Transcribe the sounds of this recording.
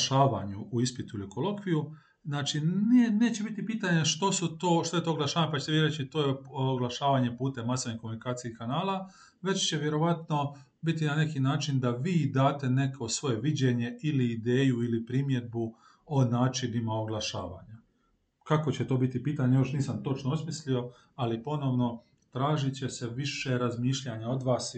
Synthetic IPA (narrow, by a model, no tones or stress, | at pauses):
ʃaːʋaɲuʔuispit̪uilikʰolo̞kʋiju | znaːt͡ʃinene̞ːt͡ɕe̞bit̪ipiːt̪aɲe̞ʃt̪o̞sut̪oːʃt̪o̞je̞t̪ooɡlaʃaːʋaɲepat͡ɕe̥t̪eiɾet͡ʃit̪ojeoɡlˠaʃaːʋaɲe̞puːt̪e̞masoʋnihkomunikaːt̪sijeikanaːlˠa | ʋe̞t͡ɕt͡ɕe̞ʋje̞ɾo̞ʋat̪no | bit̪̬inane̞kinaːt͡ʃind̪aʋiːd̪aːt̪e̞ne̞kʰo̞sʋo̞jeʋid͡ʑe̞ɲe̞iliːd̪eːjuilipɾimje̞d̪̚bu | onaːt͡ʃinimaoɡlˠaʃa̰ːʋa̰ɲa | kako̞t͡ɕet̪o̞ːbit̪ipiːt̪aɲejo̞ʃniːsamt̪o̞t͡ʃnoosmislio̞ | alipo̞no̞ʋno̞ | t̪ɾaːʒit͡ɕe̞se̞ʋiʃe̞ɾazmiːʃʎaɲaod̪ʋaːs